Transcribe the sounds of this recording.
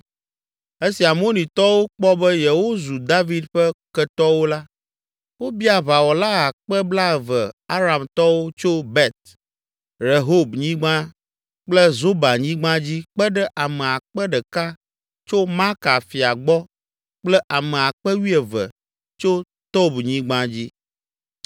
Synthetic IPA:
e˦si˨a˨m˦o˦nĩ˨t̪ɔ˦wo˦k͡pɔ˦bɛ˦jɛ˨wo˦zu˨d̪a˦vi˨˦d̪ɸɛ˦kɛ˨t̪ɔ˦wo˦la˦ | wo˦bi˦a˨βa˨wɔ˨la˦a˨k͡pɛ˦bla˦ɛ˨və˨a˦ɾa˨mt̪ɔ˦wo˦t͡ʃo˦bɛ˦t̪̚ | ɾe˨ɦo˦bɲĩ˦ɡ͡bã˦ | k͡plɛ˦zo˦ba˨ɲĩ˦ɡ͡bã˦d͡ʑi˦k͡pɛ˦ɖɛ˦ʔa˨mɛ˨a˨k͡pɛ˦ɖɛ˨ka˦ | t͡ʃo˦ma˦ka˨fi˨a˨ɡ͡bɔ˦ | k͡plɛ˦ʔa˨mɛ̃˨a˨k͡pɛ˦wi˦ɛ˨və̰˨ | t͡ʃo˦ | t̪o˦bɲĩ˦ɡ͡bã˦d͡ʑi˦

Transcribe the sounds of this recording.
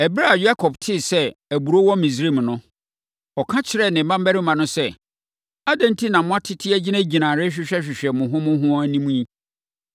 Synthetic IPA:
ɛ˨bɾa˦˨ja˦kʰɔ˨btʰɪ˦˨sɛ˦æ˨bu˨ɾo˦wɔ̃˦mĩ˨sɾe˦˨mnʊ̃˦ | ɔ˨kʰã˦t͡ɕʰɪ˨ɾɛ˦˨nɪ̃˨˦mã˦m˦bæ˦ɾɪ˦mã˨nʊ̃˦sɛ˦ | a˦dɛ̃˨n˦tʰi˦nã˨mʊ̃˦a˦tʰɪ˦tʰɪ˦æ˦d͡ʑɪ˦næ̃˦d͡ʑi˨nã˨ɾɪ˦ɕᶣɪ˦ɕᶣɛ˦ɕᶣɪ˨ɕᶣɛ˨mʊ̃˨ɦʊ̃˦mʊ̃˦ɦʊ̃˦ɔ˦æ˦nĩ˦mũ˦jĩ˦

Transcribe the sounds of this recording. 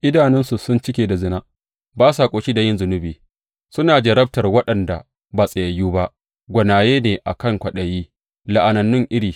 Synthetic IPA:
ʔɪ˦daː˨nɛ˦nsu˨sʊ˦nt͡ʃɪ˦kʲeː˨da˨zɪ˦na˦ | baː˦saː˨kʷʼoː˨ʃiː˦da˨jɪ˦nzʊ˨nʊ˦biː˨ | sʊ˦naː˨d͡ʒɐ˨ɾɐ˦b̚tɐ˨rwɐ˦ɗɐ˨nda̰˨ | baː˨sʼɐ˨jɐ˨juː˦ba˦ʔ | ɡʷɐ˨naː˨jeː˦neː˨ʔa˨kɐ˦ŋkʷɐ˨ɗɐ˨jiː˦ | la˨ʔa˨nɐ˨nːʊ˦ŋʔɪ˦ɽiː˨

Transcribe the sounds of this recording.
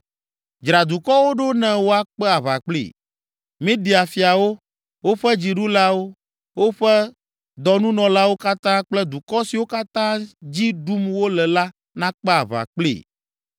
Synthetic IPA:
d͡ʒɾa˨d̪u˨kɔ˦wo˦ɖo˦nɛ̃˨wo˦a˨k͡pɛ˦a˨βa̰˨k͡plḭ˦˨ | mĩ˦d̪i˨a˨fi˨a˨wo˦ | wo˦ɸɛ˦d͡ʑi˨ɖu˦la˦wo˦ | wo˦ɸɛ˦ | d̪ɔ˨nũ˦nɔ̃˨la˦wo˦ka˦t̪ã˦k͡plɛ˦d̪u˨kɔ˦si˨wo˦ka˦t̪ã˦d͡ʑi˦ɖu˦mwo˦lɛ˨la˦ | nã˦k͡pɛ˦a˨βa̰˨k͡plḭ˨

